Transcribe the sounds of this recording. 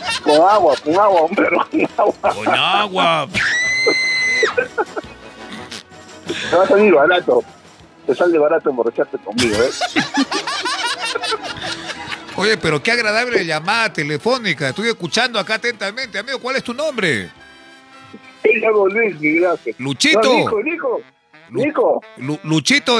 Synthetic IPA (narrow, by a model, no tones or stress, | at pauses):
koŋaɣwakoŋaɣwaumbeɾokoŋaɣwakonaɣwa | t̪eβasamiɾβaɾat̪o | t̪esald̪eβaɾat̪oemborat͡ʃaɾt̪ekoŋmiɣoe | oʝe̞pe̞ɾo̞keaɣɾaðaβleʝamaðat̪elefo̞nikaest̪ujeskut͡ʃand̪oakaat̪e̞nt̪amẽ̞nt̪eamiɣokwalest̪unõ̞mbɾḛ | ejamolwis̬miɣelaselut͡ʃinot̪okoliko | likolulut͡ʃit̪o